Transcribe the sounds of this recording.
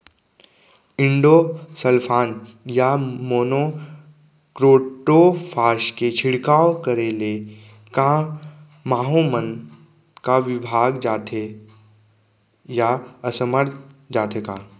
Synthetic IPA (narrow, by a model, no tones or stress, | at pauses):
ɪ̃ɳɖosəlpʰaːn | jamoːno | kɾoːʈopʰaːʃket͡ʃʰɪɽkaːokəɾeːle | ka | maːɦomən | kaʋɪbʱaːɡd͡ʒaːt̪ʰe | jaəsəməɾt̪ʰd͡ʒaːt̪ʰekaː